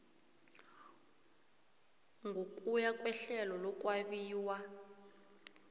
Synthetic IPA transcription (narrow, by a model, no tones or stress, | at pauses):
ŋɡʱok̬ʼujakʼwɛɬɛlɔlɔk̬ʼwaɓiːwa